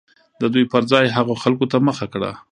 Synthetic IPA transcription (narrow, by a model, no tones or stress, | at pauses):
d̪əd̪ujpəɾzɑjɦaɣoxalkot̪aməxakɽa̰